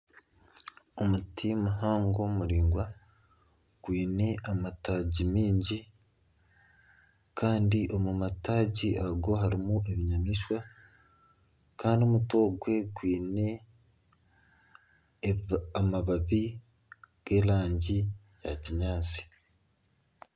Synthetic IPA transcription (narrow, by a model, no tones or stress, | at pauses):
omutʰimuɦaːŋɡo̞muɾiːŋɡwa | ɡ̥wiːne̞amataːɟimiːɲɟi | kʰaːndiʔo̞mumataːɟiaɡo̞ɦaɾimuʔeβiɲamiʃwa | kaːndio̞muto̞ːɡwe̞ɡwiːne̞ | amaβaβi | ɡ̥e̞ːlaːɲɟi | jaciɲaːt͡si̥